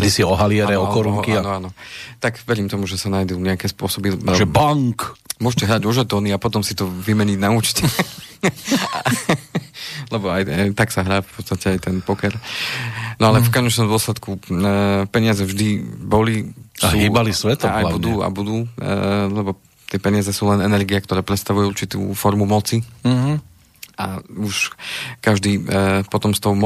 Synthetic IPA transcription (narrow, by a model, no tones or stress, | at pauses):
ɡd̪isiɔɦalɪɛɾɛɔkɔɾukiaanɔaːnɔt̪akʋɛɾiːmt̪ɔmuʒɛsanajd̪uɲɛakɛːspʊɔsɔbiɛʒɛbaŋkmʊɔʃcɛɦɾaːɟuʒat̪ɔːniapɔt̪ɔmsit̪ɔʋimɛɲiɟnauːt͡ʃcɛ | lɛbɔajajt̪aksaɦɾaːfpɔt̪st̪acɛajt̪ɛnpɔkɛɾ | nɔalɛfkɔɲɛt͡ʃnɔmd̪ʊɔslɛt̪ku | pɛɲɪazɛvʒd̪ibɔlisɦuːiːbalisʋɛt̪ajbud̪uːa̰bud̪uːlɛbɔ | t̪ɪɛpɛɲɪazɛsuːlɛnɛnɛɾɡiak̚t̪ɔɾɛːpɾɛt̪st̪aʋujɛuɾt͡ʃit̪ṵːfɔɾmumɔt͡si | auʃkaʒd̪iːpɔt̪ɔmst̪ɔʊm